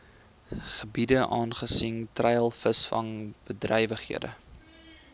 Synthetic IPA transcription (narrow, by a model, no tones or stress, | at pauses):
χəbidəʔɑːnχəsiŋtrɛjəlˠfəsfɐ̰ŋb̥ədrəjvəχhḭədə̰